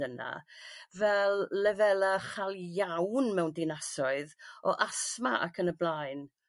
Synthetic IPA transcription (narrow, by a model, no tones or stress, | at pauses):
əna̰vɛlˠːɛvɛlˠaχalˠjawnmɛwndɪnasɔɨðɔʔasma̰ʔa̰kʰənəblajn